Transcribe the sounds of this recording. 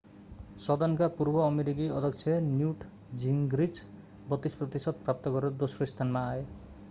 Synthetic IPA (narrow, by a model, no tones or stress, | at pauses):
sɔd̪ankapuɾbɔːmeɾiɡiɔd̪ʱɔksʰenjuʈ | d͡ʒiŋɡɾit͡ʃ | bɔt̪ispɾɔt̪isɔd̪̚pɾap̚t̪ɔkɔɾed̪osɾɔist̪ʰanmaːe